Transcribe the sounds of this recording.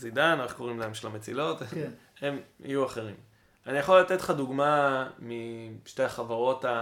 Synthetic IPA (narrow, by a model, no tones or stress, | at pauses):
zidaneχko̞ʁimlaemʃelamet͡silo̞t̪ | emḭjuaχe̞ʁim | anijaχolːat̪etχad̪uɡmamiʃtejaχavaʁo̞ta